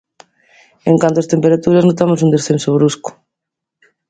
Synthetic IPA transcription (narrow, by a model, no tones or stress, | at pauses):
eŋkant̪oast̪empeɾat̪uɾaznot̪amos̬und̪esθensoβɾuskʊ̥